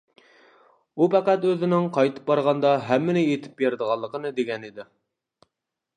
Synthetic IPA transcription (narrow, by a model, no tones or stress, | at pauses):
upæqæt̪øzɪnɪŋqʰɑjt̪ʰɨ̥p̚bɑɾʁɑnd̪ɑɦɛmːɪnɪjet̪ʰɪ̥pjeɾd̪əʁɑlˠːəqənɨd̪eɡʲɛnid̪ɪ